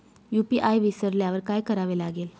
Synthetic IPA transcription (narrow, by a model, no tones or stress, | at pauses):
jupiʔajʋisəɾljaʋəɾkaːjkəɾaʋelaɡeːl